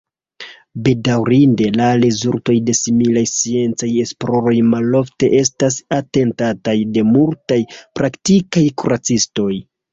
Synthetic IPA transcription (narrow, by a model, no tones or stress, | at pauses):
be̞dawɾinde̞lalezuɾto̞jde̞similajsie̞nt͡saje̞splo̞ɾo̞jmalo̞fte̞̰ʔe̞stasate̞ntatajde̞multajpɾaktikajkuɾat͡sisto̞j